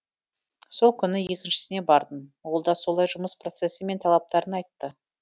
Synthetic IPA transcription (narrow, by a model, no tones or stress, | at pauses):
so̞lˠkʲʰʏnɪje̞kʲɪnʃɪ̥sɪne̞bɑɾd̪ənwo̞lˠd̪ɑso̞lˠɑjʒʊməspro̞t̪se̞səme̞nt̪ʰɑlˠɑp̚t̪ɑɾənɑjt̪ːə